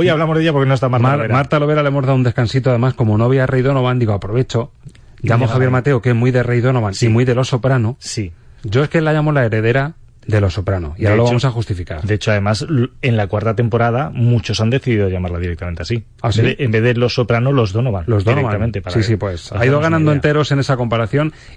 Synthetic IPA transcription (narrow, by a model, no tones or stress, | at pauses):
ojaβlamozðeʝapoɾkenost̪amaɾmamaɾt̪alo̞βe̞ɾaleemo̞zðaðund̪e̞skansit̪oaðe̞masko̞monoaβiare̞jðonoβand̪iɣoapɾo̞βe̞t͡ʃo̞ | ʝamoxxaβjeɾmat̪e̞okemujðe̞re̞jðo̞noβansimuijðe̞lo̞so̞pɾanosi | ɟ͡ʝo̞eskelaʝamo̞lae̞ɾe̞ðe̞ɾa | ðe̞lo̞so̞pɾano̰iaɾalo̞βamo̞saxust̪ifika̰ɾd̪eet͡ʃoaðe̞mase̞nlakwaɾt̪at̪e̞mpo̞ɾað̞amut͡ʃo̞sand̪e̞θiðiðoʝamaɾlaðiɾek̚t̪ament̪easi | asiembeðelo̞so̞pɾanolozðonoβanlozðoɾeat̪amẽnt̪easiss̬ipwesa̰iðoɣanand̪oent̪e̞ɾo̞se̞ne̞sako̞mpaɾaθjo̞n